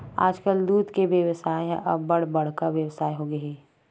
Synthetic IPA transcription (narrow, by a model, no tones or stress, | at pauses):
a̰ːd͡ʒkəld̪uːt̪keʋjəʋsaːeɦɛ̰̃ʔɔːbɐɽbɐɽ̤kaʋjəʋsaːeɦoɡɐɦɛː